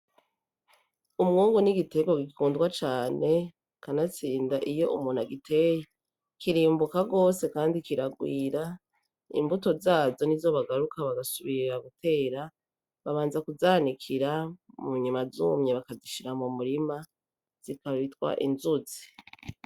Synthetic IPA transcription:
umŋuːŋɡuniɡite̞ɡoɡikikuːndɡwat͡ʃaːne̞ | kanat͡siːndaʔijo̞ṵmuːn̥aɡitʰe̞ːje | kiɾiːmbukaɡo̞ːse̞kaːndikiɾaɡwiːɾa | ḭmbuto̞zaːzo̞nizo̞βaɡaɾukʰaβaɡasuβiɾaɡutʰe̞ːɾa | βaβaːnzakuzaːnikʰiɾamuɲumazuːmɲeβakaziʃiɾamumuɾima | z̥ikaβitwa̰ʔḭnzuzi

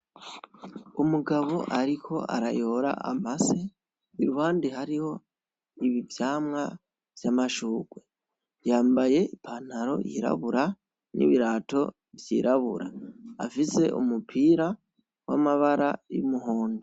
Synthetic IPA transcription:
umuɡaβo̞ʔaɾikʰo̞ʔa̰ɾajo̞ːɾa̰ʔamase | iɾuwaːndihaɾiho̞ | iβivjaːmŋa | v̥jamaʃuːɡwe̞ | jaːmbaje̞ipʰan̥aɾo̞̰jiɾa̰βuɾa | nʔḭβiɾaːto̞ | vjḭɾaβṵɾa̰a̰fise̞ʔumupʰiːɾa | wamaβaɾajṵmuɦo̞ːndo

